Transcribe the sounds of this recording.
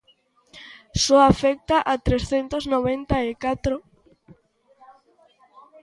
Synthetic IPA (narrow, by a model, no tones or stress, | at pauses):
sɔafɛk̚t̪aʔat̪ɾesθent̪oznoβent̪aekat̪ɾo